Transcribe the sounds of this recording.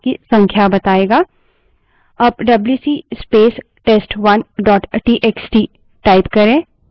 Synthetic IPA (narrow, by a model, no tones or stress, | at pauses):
kisɐ̃ŋkʰjabɐt̪aːeːɡaː | ɐbɖɐbljuːsiːspeːs | ʈeːsʈʋɐnɖɔːʈʈiːʔeːksʈi | ʈaːɪpkɐɾẽː